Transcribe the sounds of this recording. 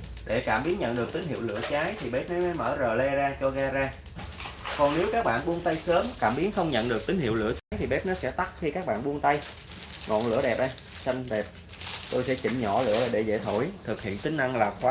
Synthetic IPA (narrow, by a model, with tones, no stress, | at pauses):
ɗe˧˩kaː˧˩mɓi˨˦ənɲə̰˧˨nɗɨ˨˩ək̚t̪ï˨˦ŋ̟hḭ˧˨wlɨ̰˧˩ət͡ɕaː˨˦jt̪ʰi˨˩ɓɛ˦˥p̚nɔ˨˦ma˨˦jməː˧˩zəː˨˩lɛ˧zaː˧t͡ɕɔ˧ɣaː˧zaː˧ | kɔ˨˩nne˨˦wkaː˦˥k̚ɓa̰ː˧˨nɓu˧ənt̪a˧jsəː˨˦mkaː˧˩mɓi˨˦ənxə˧wŋ͡mɲə̰˧˨nɗɨ˨˩k̚t̪ï˨˦ŋ̟hḭ˧˨əwlɨ̰˧˩ət͡ɕaː˨˦jt̪ʰi˨˩ɓɛ˦˥p̚nɔ˨˦sɛ̰˧˥t̪a˦˥k̚xi˧kaː˦˥k̚ɓa̰ː˧˨ɓu˧ənt̪a˧j | ŋɔ̰˧˨nlɨ̰˧˥əɗɛ˨˩p̚ʔa˧jsa˧ŋ̟ɗɛ˨˩p̚ | t̪o˧jsɛ̰˧˥t͡ɕḭ˧˩mɲɔ˧˩lɨ̰˧˩˥ə˨˩ɗe˧˩zḛ˧˥t̪ʰo˧˩jt̪ʰɨ˨˩k̚hḭ˧˨ənt̪ï˨˦ŋ̟na˧ŋlaː˨˩xwaː˨˦